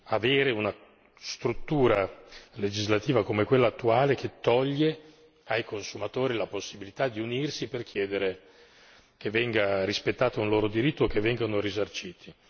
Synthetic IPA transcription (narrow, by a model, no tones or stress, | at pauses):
aveːɾeuna | st̪ɾut̪ːuːɾaled͡ʒizlat̪iːvakomekwelːaːt̪ːuaːleket̪ːɔʎːe | ajkonsumat̪oːɾilaposːibilit̪ad̪iunirsiperkjɛːd̪eɾe | kevːɛŋɡaɾispet̪ːaːt̪aunloːɾod̪iɾit̪ːokːevːɛŋɡanoɾizart͡ʃiːt̪ʰi